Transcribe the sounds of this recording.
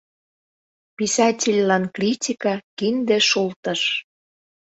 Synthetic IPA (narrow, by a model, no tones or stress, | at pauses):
pisɑtʲilʲlɑnkrʲitʲikɑkind̪ĕʃult̪ə̆ʃ